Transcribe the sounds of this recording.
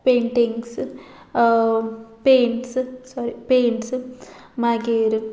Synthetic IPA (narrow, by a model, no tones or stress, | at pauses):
peːɳʈiŋɡs | peːɳʈsɨsɔɾipeːɳʈsɨmaːɡeːɾɨ